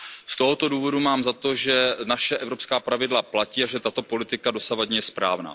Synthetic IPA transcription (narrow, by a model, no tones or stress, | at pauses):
st̪o̞ɦot̪o̞duːvo̞dumaːmzat̪oʒɛnaʃɛʔɛvɾopskaːpɾavɪdlaplaciːaʒɛt̪at̪o̞po̞lɪt̪ɪkadosavadɲɛjɛspɾa̰ːvna̰ː